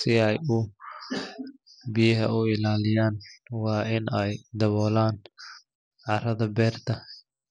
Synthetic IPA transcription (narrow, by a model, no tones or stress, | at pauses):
sɪɛjʊ | bɪjɐɦɐ̰ʊɪlaːlɪjaːnwɑːʔɪnɛjd̪ɐβɔːlaːn | ʕɑɾɐðɐbɛːrt̪ʰɐ